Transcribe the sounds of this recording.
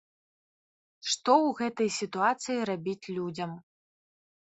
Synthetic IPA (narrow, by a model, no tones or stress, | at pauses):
ʂt̪ɔwɣɛt̪ɐjsʲit̪uat̪sɨjiɾabʲit͡sʲlʲud͡zʲɐm